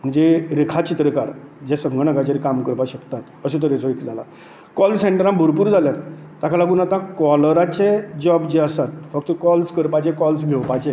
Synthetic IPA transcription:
m̤əɳd͡zeɾikʰat͡ɕit̪ɾəkaɾd͡ʑɛsəŋɡəɽ̃əɡat͡ɕaɾikamkəɾpaɕəkt̪at̪əset̪̬ɔɾet͡sʰoekd͡zʱala̰ | kɔlseɳʈəɾãmbʱuɾpuːɾd͡zʱaljat̪ː | akʰalaɡunat̪ãkɔləɾat͡ɕed͡ʑɔbd͡ʑeəsat̪̚fək̚t̪əkɔlskəɾpat͡ɕɛ̃kɔlsɡʱewpat͡sẽ

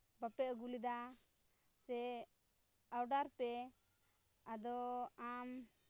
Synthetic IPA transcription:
bapɛʔɡulid̪a | sɛ | awɖaɾpɛ | ad̪ɔam

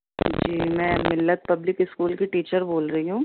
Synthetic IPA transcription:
d͡ʒiːmɛ̃ːmɪlːət̪̚pɐblɪkɪskuːlkiʈiːt͡ʃəɾboːlɾɐɦiɦũː

